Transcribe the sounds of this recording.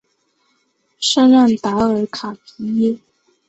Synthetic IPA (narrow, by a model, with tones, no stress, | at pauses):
ʂa˥nɻa˥˩nt̪a˧˥ə˧˥kʰa˨˩pʰi˧˥ji˥